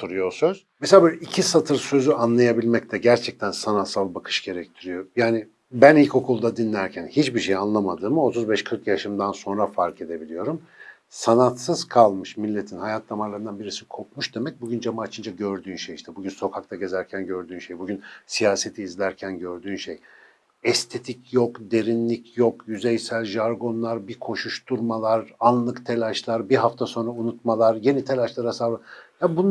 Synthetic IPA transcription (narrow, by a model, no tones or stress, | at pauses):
t̪uɾujosøz̥meseabølʲicʰisat̪ʰɯɾsø̞zyanlˠajabilʲmɛct̪ʰɛɟæɾt͡ʃʰɛc̚t̪ʰænsanat̪salˠbakʰɯ̥ʃɟ̥e̞ɾɛc̚t̪ʰiɾijo̞jaːnɪ | bænilʲcʰo̞kʰulˠd̪ad̪inlʲæɾcʰænhit͡ʃbiʃe̞janlˠamad̪ɯːmɯo̞t̪ʰuzbɛʃkʰɯɾkjaʃɯmd̪anso̞nɾafaɾkʰe̞d̪e̞bilʲijo̞ɾum | sanat̪sɯzkʰalˠmɯʃmilʲːet̪ʰinhajat̪ʰnamaɾlˠaɾɯnd̪anbiɾisi̥kʰo̞pmuʃd̪e̞mɛc̚buɟynd͡ʒamaat͡ʃʰɯnd͡ʒaɟøɾd̪yːnʃejiʃt̪ʰɛbuɟynso̞kʰak̚t̪ʰaɟe̞zæɾcʰænɟø̞ɾd̪yːnʃe̞jbuɟynsijaːse̞t̪ʰiːzlʲæɾcʰænɟøɾd̪yːnʃej | ɛst̪ʰe̞t̪ʰicjo̞kd̪e̞ɾinlʲicʰjo̞kjyzejsælʲʒaɾɡo̞nlˠaɾbikʰo̞ʃuʃt̪ʰuɾmalˠaɾanlˠɯkt̪ʰe̞lʲaʃlˠaɾbiɦaft̪ʰaso̞nɾaunut̪malˠaɾje̞nit̪ʰe̞lʲaʃlˠaɾasabɯjabun